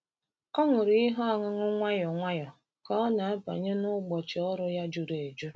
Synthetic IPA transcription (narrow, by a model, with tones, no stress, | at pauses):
ɔ˦ŋʊ˨ɾi˦ɦɔ˦a˨ŋʊ˦ŋʊ˦ŋʷa˦jɔ˨ŋʷa˦jɔ˨ | kɔ˦na˨a˦pa̰˨ɲe˦nʊ˦ɡ͡bɔ˨t͡ʃɪ˨ɔ˦ɾʊ˦ja˦d͡ʒu˨ɾe˨e˨d͡ʒu˦